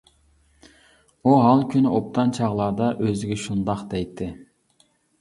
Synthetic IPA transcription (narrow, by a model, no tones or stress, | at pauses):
uɦɑlˠkʲʰynɪʔop̚t̪ʰɑnt͡ʃʰɑʁlˠɑːd̪ɑʔøzɪɡʲɛʃund̪ɑqd̪ɛjt̪ʰːɪ